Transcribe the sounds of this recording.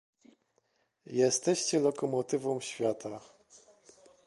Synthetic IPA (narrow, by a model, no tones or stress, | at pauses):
jɛst̪ɛɕt͡ɕɛlɔkɔmɔt̪ɘvɔ̃w̃ɕfʲjat̪ʰa